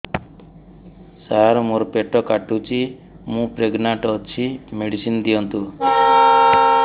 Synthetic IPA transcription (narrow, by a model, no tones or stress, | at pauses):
saɾmoɾɔpeʈɔkaʈut͡ʃʰi | mũpɾeɡnaʈːt͡ʃʰimeɽisind̪iɔnt̪u